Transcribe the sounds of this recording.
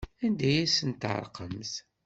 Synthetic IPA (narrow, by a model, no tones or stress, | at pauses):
ænd̪æjæsənt̪ʕə̰ɾˤqəmθ